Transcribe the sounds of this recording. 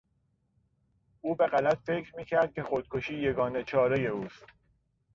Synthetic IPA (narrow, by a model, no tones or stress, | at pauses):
ʔuːbe̞ɢælæt̪fe̞kʰɾmiːcʰæɾd̪̚kʲʰe̞xod̪̥̚kʰoʃiːje̞ɡɒːne̞t͡ʃʰɒːɾe̞je̞uːst̪